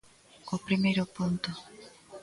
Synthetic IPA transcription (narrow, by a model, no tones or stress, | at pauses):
kopɾimejɾʊpont̪ʊ